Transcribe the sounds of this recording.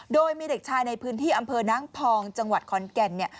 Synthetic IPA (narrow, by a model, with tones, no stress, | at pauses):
doː˧jmiː˧de˨˩k̚t͡ɕʰaː˧jna˧jpʰɯː˦˥nt̪ʰiː˥˩ʔa˧mpʰɤː˧naː˦˥ŋpʰɔː˧ŋt͡ɕa˧ŋwa˨˩t̪̚kʰɔ˨˧˥nkɛ˧nːi˥˩ɐ